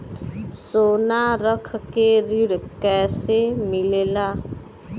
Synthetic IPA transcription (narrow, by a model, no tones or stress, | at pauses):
soːnaɾəkʰkeɾɪɽkɛːsemɪleːlaː